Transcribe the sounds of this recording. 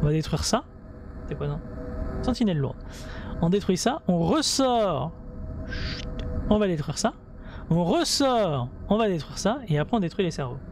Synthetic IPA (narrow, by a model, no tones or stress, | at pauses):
ɔ̃vad̪et̪χɥiʁsa | t̪ɛpwazɑ̃sɑ̃t̪inɛllːṵʁd̪ɔ̃d̪et̪χɥisaɔ̃ʁəsɔʁ | ʃy̥t̪ɔ̃vad̪et̪χɥiʁsa | ɔ̃ʁəsɔʁɔ̃vad̪et̪χwiʁsaeapχɛɔ̃d̪et̪χɥilesɛʁvo̰